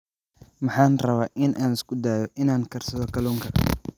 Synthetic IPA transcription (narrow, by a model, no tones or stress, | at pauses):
mɑħɑːnrɐβaːʔɪnʔaːnɪskʰʊd̪aːjɔʔɪnaːŋkʰɐrsɐðɔkʰɐluːŋkʰɐ